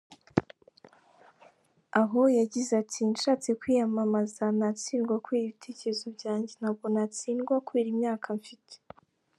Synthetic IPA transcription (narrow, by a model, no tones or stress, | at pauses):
aɦo̞jaɟizatʰinʃaːt͡se̞kwiːjamamazanat͡siːnɡwakweːɾiβitʰe̞ːceɾezobɟaːɲɟenaβɡo̞nat͡siːnɡwakwe̞ːɾimɲaːkʰaɱfitʰe̥